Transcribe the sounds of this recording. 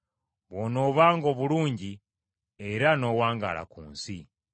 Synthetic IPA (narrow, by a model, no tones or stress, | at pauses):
βwono̞βaːŋɡo̞ːβuluːɲɟi | e̞ɾano̞waːŋɡa̰ːla̰kuːnsi